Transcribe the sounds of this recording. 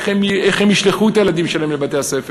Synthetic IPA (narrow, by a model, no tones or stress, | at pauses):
emeχhemiʃleχuet̪ajelad̪imʃelahemlebat̪e̞hasef